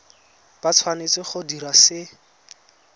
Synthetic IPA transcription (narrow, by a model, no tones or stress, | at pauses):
b̥at͡sʰwanet͡sɪχʊdiɾasɪ